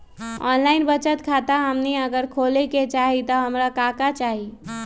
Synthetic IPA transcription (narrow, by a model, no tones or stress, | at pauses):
ɔ̰nlaɪnbət͡ʃət̪kʰat̪aɦəmniəɡəɾkʰoleket͡ʃaɦit̪ɔɦəmɾakakat͡ʃaɦi